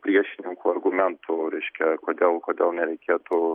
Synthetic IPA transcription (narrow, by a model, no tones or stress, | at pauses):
pʲɾʲiɛʃʲɪnʲɪŋkuːɐrɡʊmʲɛnt̪ʰʊɾʲɛɪʃʲkʲɛkoːd̪ʲeːlˠkoːd̪ʲeːlˠnʲɛɾʲɛɪkʲeːt̪ʊ